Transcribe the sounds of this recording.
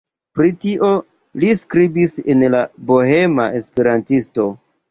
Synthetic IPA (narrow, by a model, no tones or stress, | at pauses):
pɾitiʔo̞ | liskɾibisenlaboɦemaʔe̞spe̞ɾantisto̞